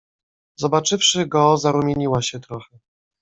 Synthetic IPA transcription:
zɔbat͡ʂɘfʂɘɡɔzaɾumʲjeɲiwaɕɛt̪ɾɔxɛ

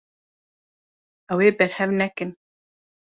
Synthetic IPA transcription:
ɛweːbɛɾhɛvnɛkɨn

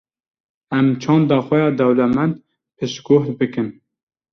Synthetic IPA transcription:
ɛmt͡ʃʰɑːnd̪ɑːxʷɛjɑːd̪ɛwlɛmɛnd̪ | pʰɨʃɡoht̪bɨkɨn

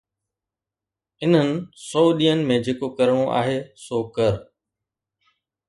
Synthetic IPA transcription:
ɪn̤ənɪ̆sɔːɗiːənɪ̆mẽd͡ʑeːkokɐɾəɽ̃õʔa̰ːɦeːsoːkɐɾ

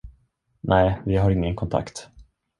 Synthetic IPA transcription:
nʔɛːvɪɦaɾɪŋːənkʰɔnt̪ʰa̰kt̪

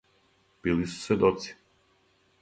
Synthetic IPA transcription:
b̥ilisu̥svɛd̪ɔt̪si̥

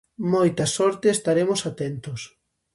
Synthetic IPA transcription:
mojt̪ɐsɔɾt̪eːst̪aɾemosat̪ent̪ʊs

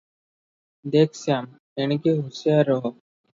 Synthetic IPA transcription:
d̪eːkʰsaːm | eñkeɦusjaɾɔɦo

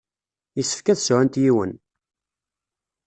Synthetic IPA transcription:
jisːə̥fkæθsʕænt̪jiwə̰n

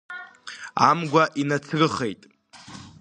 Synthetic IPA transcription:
a̰mɡʷaʔinat͡sʰrɨχe̞jtʼ

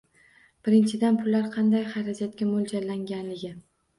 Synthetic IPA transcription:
b̥ɪɾɪnt͡ʃʰɪd̪anpʰʊlːaɾqʰɑnd̪ajχɑɾad͡ʒat̪̚kʲamʊld͡ʒalaŋɡʲanlɪɡʲɪ

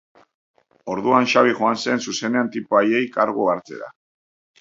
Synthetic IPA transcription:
o̞ɾðuanʃaβiʝoanse̞nsuse̞ne̞ant̪ipoajejkaɾɣoaɾt͡se̞̰ɾa̰

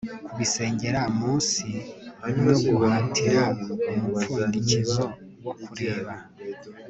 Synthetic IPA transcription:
kuβise̞ːɲɟeɾamuːsi | oɡuatʰiɾaumuundicizo | wokuɾe̞ːβa

